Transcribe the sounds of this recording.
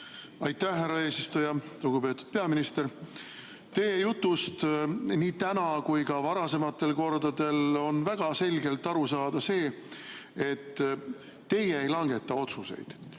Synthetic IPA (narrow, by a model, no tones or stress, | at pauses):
ɑjt̪ːˑæhɦærːɑe̞ːsist̪ujɑluɡ̥upe̞ːt̪ːˑud̪̥pe̞ɑminist̪e̞ɾ | t̪e̞ːjut̪ːˑust̪niːt̪ænɑkujkɑvɑɾɑse̞mɑt̪ːe̞lko̞rd̪ɑd̪e̞lo̞nvæɡ̥ɑse̞lʲɡe̞lt̪ːˑɑɾusɑːd̪̥ɑse̞ː | e̞t̪ː | e̞jeejlɑŋɡ̥e̞t̪ːɑo̞t̪suse̞̰jd̪̥